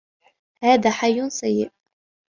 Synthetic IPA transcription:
haːðaːħajːʊnsajːɪ̰ʔ

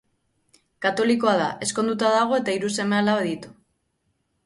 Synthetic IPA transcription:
kat̪o̞liko̞aða̰ʔe̞sko̞nd̪ut̪aðaɣ̞o̞e̞t̪aiɾuse̞mealaaðit̪u̥

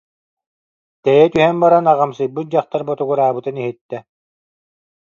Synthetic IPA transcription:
t̪ɛjɛt̪yɦɛnbaɾanaʁamsɯjbɯt̪̚d͡ʑaχt̪aɾbɔt̪uɡuɾaːbɯt̪ɯniɦit̪ːɛ

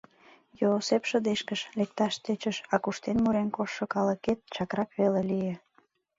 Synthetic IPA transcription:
joːsepʃəd̪eʃkəʃlek̚t̪ɑʃt̪et͡ɕəʃɑkuʃt̪enmuɾenkoʃːokɑləket̪̚t͡ɕɑkrɑkβelelije

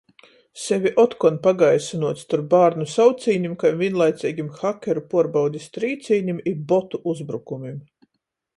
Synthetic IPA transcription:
sevʲiʔɔt̪kɔnpaɡajsinuɔt̪st̪uɾpbaːɾnusawt̪siːɲimkajmvʲiɛnlˠajt̪siːɡʲimxakʲɛɾupuɔɾbawd̪ʲist̪ɾiːt̪siːɲimibɔt̪uʔuzbɾukumim

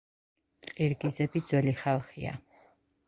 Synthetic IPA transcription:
qʼiɾɡizɛbid̪zwɛliχalˠχia̰

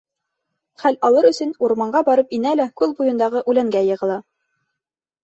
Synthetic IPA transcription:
χælɑlˠɤɾɵ̆sɵ̆nuɾmɑɴɢɑbɑɾɤpinælækʉlˠbujɤ̆nd̪ɑʁɤʔʉlæŋɡæjɤ̆ʁɤ̆lˠɑ

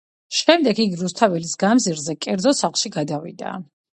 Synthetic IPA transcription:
ʃɛmd̪ɛɡiɡiɾust̪ʰavɛlisɡamziɾzɛkʼɛɾd̪zɔsaχlˠʃiɡad̪avḭd̪a̰

